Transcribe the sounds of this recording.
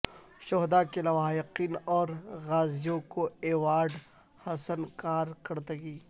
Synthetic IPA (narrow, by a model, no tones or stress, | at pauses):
ʃɔɦd̪akelɐwaːɪqiːnɔːɾɣaːzijõkoeːwaːɖ | hɐsənkaːɾkɐɾt̪ɐɡiː